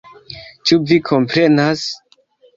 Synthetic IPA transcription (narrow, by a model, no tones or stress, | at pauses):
t͡ʃuvikʰo̞mpɾe̞nas